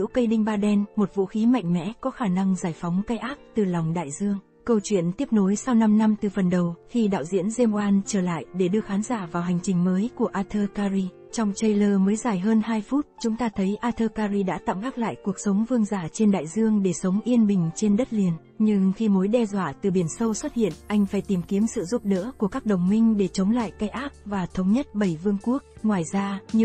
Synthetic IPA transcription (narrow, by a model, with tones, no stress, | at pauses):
ḭ˧˥wkə˧jɗï˧ŋ̟ɓaː˧ɗɛ˧nmo˨˩t̚vṵ˧˥xi˨˦ma̰˧˨jŋ̟mɛ̰˧˥kɔ˨˦xaː˧˩na˧ŋzaː˧˩jfɔ˨˦wŋ͡mka˧jʔaː˦˥k̚t̪ɨ˨˩lɔ˨˩wŋ͡mɗa̰ː˧˨jzɨ˧əŋ | kə˧wt͡ɕwḭ˧˨ənt̪i˦˥əp̚no˨˦jsa˧wna˧mna˧mt̪ɨ˨˩fə˨˩nɗə˨˩wxi˧ɗa̰ː˧˨wzḭ˧˥ənze˧mʔwaː˧nt͡ɕəː˧˩la̰ː˧˨jɗe˧˩ɗɨ˧əxaː˨˦nzaː˧˩vaː˨˩wɦa˨˩jŋ̟t͡ɕï˨˩ŋ̟məː˨˦jku˧˩əʔaː˧t̪ʰəː˧kaː˧zi˧ | t͡ɕɔ˧wŋ͡mt͡ɕə˧jləː˧məː˨˦jzaː˧˩jɦəː˧nhaː˧jfu˦˥t̚t͡ɕʊ˨˦ŋ͡mt̪aː˧t̪ʰə˨˦jʔaː˧t̪ʰəː˧kaː˧zi˧ɗa̰ː˧˥t̪a̰˧˨mɓaː˦˥k̚la̰ː˧˨jku˨˩ək̚sə˨˦wŋ͡mvɨ˧əŋzaː˧˩t͡ɕe˧nɗa̰ː˧˨jzɨ˧əŋɗe˧˩sə˨˦wŋ͡mʔi˧ənɓï˨˩ŋ̟t͡ɕe˧nɗə˦˥t̚li˨˩ən | ɲɨ˧ŋxi˧mo˨˦jɗɛ˧zwa̰ː˧˩t̪ɨ˨˩ɓi˧˩ənsə˧wswə˦˥t̚hḭ˧˨ənʔa˧jŋ̟faː˧˩jt̪i˨˩mki˨˦əmsɨ̰˧˨zu˦˥p̚ɗə̰˧˥ku˧˩əkaː˦˥k̚ɗə˨˩wŋ͡mmï˧ŋ̟ɗe˧˩t͡ɕə˨˦wŋ͡mla̰ː˧˨jka˧jʔaː˦˥p̚vaː˨˩t̪ʰə˨˦wŋ͡mɲə˦˥t̚ɓə˧˩jvɨ˧əŋku˦˥ək̚ŋwaː˨˩jzaː˧ɲ˧